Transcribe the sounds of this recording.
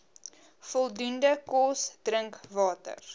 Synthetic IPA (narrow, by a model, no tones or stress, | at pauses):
fɔlˠdundəkɔsd̥rəŋkvɑːtə̰r